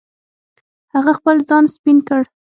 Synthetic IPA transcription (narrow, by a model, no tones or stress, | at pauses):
haɣaxpəlzɑnspinkəɽ